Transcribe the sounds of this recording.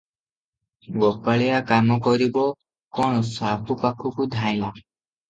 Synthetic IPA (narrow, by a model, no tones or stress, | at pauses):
ɡɔpaɭɛjakamɔkɔɾibɔ | kɔɽ̃ɔsapʰupakʰukud̪ʱãj̃la